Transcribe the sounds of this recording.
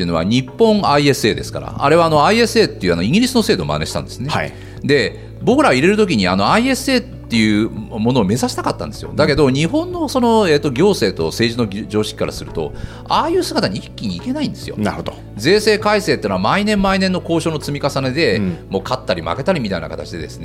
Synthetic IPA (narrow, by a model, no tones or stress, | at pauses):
eɯ̟no̞βa̰ɲ̟ipːõ̞ɴaie̞sɨe̞ːd̪e̞sɨ̥ka̰ɾa̰a̰ɾe̞βaːno̞aie̞sɨe̞ːt̪ːe̞iɯ̟anoĩɡʲiɾʲisɨno̞se̞ːd̪o̰ːmʔa̰neɕi̥t̪ã̰nd̪e̞sɨnea | d̪e̞ | bo̞kɯɾaoiɾe̞ɾɯ̟t̪okʲiɲ̟ia̰no̞aie̞sɨe̞ːt̪ːe̞jɯ̟mo̞no̞ːme̞zaɕi̥t̪akat̪ːã̰nd̪e̞sɨjo̰d̪ake̞d̪o̞ɲ̟iɦõ̞nːo̞so̞no̞e̞ːt̪ːo̞ɡʲo̞ːse̞ːt̪o̞̰se̞ːʑino̞d͡ʑo̞ːɕi̥kʲi̥kaɾa̰sɨɾɯ̟t̪o̞̰ | aːjɯ̟ːsɨɡat̪aɲ̟iikʲːiɲ̟iːke̞naĩnd̪e̞sɨjo̞̰naod̪ | ze̞ːse̞ːkaise̞ːt̪ːeːnamainẽ̞mːainẽ̞nːo̞ko̞ːɕo̞ːnot͡sɨmʲikasane̞d̪e̞mo̞ːkʰat̪ːaɾʲima̰ke̞t̪aɾʲimʲit̪aina̰kat̪at͡ɕid̪e̞d̪e̞sɨ̥ne